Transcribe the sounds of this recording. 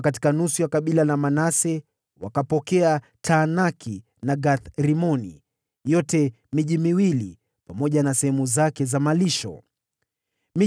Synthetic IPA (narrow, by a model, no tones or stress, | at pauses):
kat̬i̥kanusujakaɓilanamanasɛ | wakapɔkɛa | tʰanakʰi | naɡaθɾimɔnḭ | jɔtɛ | miʄimiwili | pamɔʄanasɛhɛmuzakɛzamaliʃɔ̰ | mi